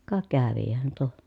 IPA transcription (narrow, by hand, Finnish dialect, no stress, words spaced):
kɑ kæʋihæn tuo